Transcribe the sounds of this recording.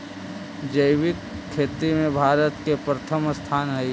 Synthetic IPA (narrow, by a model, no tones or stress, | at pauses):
d͡ʒəjwɪk̚kʰːeːt̪ɾimẽbʱaːɾət̪kepɾət̪ʰəmst̪ʰaːnɦɐj